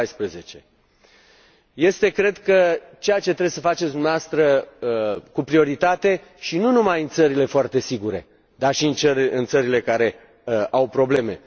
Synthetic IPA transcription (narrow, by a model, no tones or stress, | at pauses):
jspɾeze̞t͡ʃe̞ | je̞st̪e̞kɾe̞d̪kə | t͡ʃe̞jat͡ʃe̞t̪ɾebesəfat͡ʃesʲd̪umneavoast̪ɾə | kupɾio̞ɾit̪at̪e̞ʃinunumajɨnt̪səɾile̞foart̪e̞siɡuɾe̞̰ | d̪arʃiɨnt͡ʃəɨnt̪səɾile̞kaɾe̞ | awpɾo̞ble̞me̞